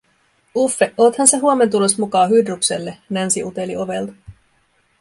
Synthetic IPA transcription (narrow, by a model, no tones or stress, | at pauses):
ufːe̞ʔot̪hɑnse̞ɦuome̞nt̪̬ulo̞smukɑːɦydrukse̞lːe̞nænsiʔut̪e̞lio̞ʋe̞lt̪ɑ̥